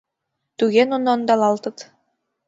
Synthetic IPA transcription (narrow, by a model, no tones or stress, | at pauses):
t̪ʉɡenonɔnd̪ɑlˠɑlˠt̪ɯt̪